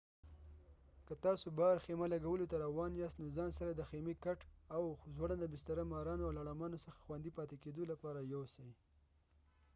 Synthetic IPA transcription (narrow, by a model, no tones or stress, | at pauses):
kət̪ɑsobɑɾxemalaɡawəlot̪aɾawɑnjɑst̪nozɑnsaɾad̪əxemekaʈawzwaɽad̪əbɪst̪aɾamɑɾɑnoawlaɽamɑnosəxḁxwand̪ipɑt̪eked̪olapɑɾajawsaj